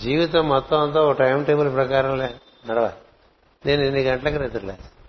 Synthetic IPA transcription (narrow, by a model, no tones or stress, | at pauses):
d͡ʒiːʋit̪̬ɐmːɔt̪ːɐ̃ɐnt̪̬ɐoʈɐjmʈeːbɐlpɾɐkaːɾɐmle | nɐɽɐʋa̰ːli | neːninːiɡɐɳʈɐlɐkːɐɾet̪uɾlḛː